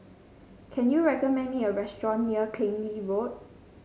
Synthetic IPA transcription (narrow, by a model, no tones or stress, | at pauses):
kʰɛ̃njuɹɛkɔmɛ̃nmĩŋəɹɛstɹɔ̃nːiəkʰlẽnlivot̚